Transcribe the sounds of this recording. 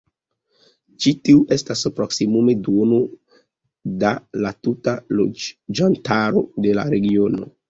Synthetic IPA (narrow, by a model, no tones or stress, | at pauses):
t͡ʃitiuʔe̞staspɾo̞ksimume̞dono | dalatutalo̰d͡ʒantaɾode̞la̰ɾe̞ɡio̞no̞